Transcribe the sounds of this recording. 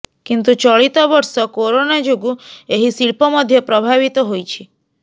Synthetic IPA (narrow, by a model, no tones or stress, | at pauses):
kint̪ut͡ʃɔɭit̪ɔbɔɾsɔkoɾonad͡ʒoɡueɦisiɭpɔmɔd̪ʱjɔpɾɔbʱaβit̪ɔɦojt͡ʃʰi